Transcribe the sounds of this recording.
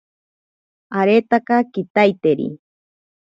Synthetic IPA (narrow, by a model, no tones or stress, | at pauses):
aɾet̪akakit̪ajt̪eɾḭ